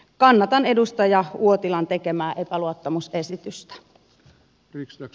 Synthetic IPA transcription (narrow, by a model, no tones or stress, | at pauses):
kɑnːɑt̪ɑne̞dust̪ɑjɑuot̪ilɑnt̪ekemæːʔepæluot̪ːɑmusesit̪yst̪æ̥